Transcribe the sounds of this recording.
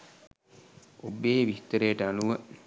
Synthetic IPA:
obːeːʋist̪əɾejːʈəaluʋə

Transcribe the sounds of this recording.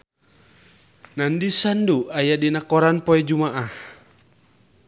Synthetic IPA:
nandisanduajadinakɔɾanpɔɛd͡ʒumaʔah

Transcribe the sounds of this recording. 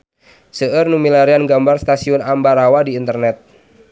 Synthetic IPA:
səʔərnumilaɾianɡambarst̪asiʊnambaɾawadiːnt̪ərnɛt̪̚

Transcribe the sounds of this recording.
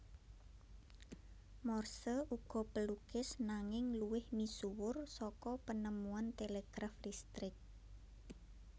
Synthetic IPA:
mɔrsəʔuɡ̥ɔ̤pəluɡ̥ɪsnaŋɪŋluwɪhmisuwʊrsɔkɔpənəmuant̪eleɡ̥ɾaflist̪ɾɪk̚

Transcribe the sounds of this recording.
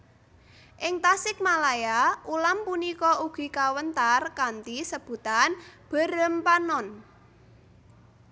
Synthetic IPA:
ʔɪŋt̪asɪk̚malajaʔulampunikɔuɡ̥i̤kawənt̪arkant̪isəb̥ṳt̪anb̥ə̤ɾəmpanɔn

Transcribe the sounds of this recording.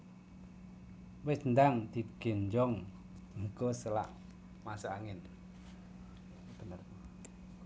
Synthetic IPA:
wɪsnd̪aŋd̪iɡ̥eɲd͡ʒɔŋ | ŋikosəla̰ʔ | masoaŋɪn | ən

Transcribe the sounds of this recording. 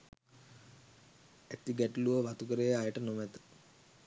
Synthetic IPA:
æt̪iɡɛʈluʋəʋat̪ukəɾejajəʈənomæt̪ə̥

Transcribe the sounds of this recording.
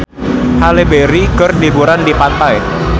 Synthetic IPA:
halebeɾiɡərdibuɾandipat̪aj

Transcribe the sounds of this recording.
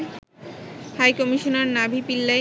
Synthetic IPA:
hajkɔmiʃonaɾnabʱipilːa

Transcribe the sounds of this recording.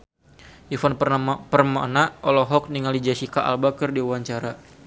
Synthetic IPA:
ifɔnpərmaʔnaɔlɔɦɔk̚niŋalid͡ʒasikaʔa̰lbakərdiuwaɲt͡ʃaɾa

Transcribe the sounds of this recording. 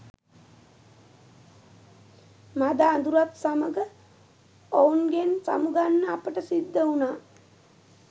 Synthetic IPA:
mad̪aːnd̪uɾat̪saməɡə | ounɡensa̰muɡanːəapəʈəsid̪ːəunaː

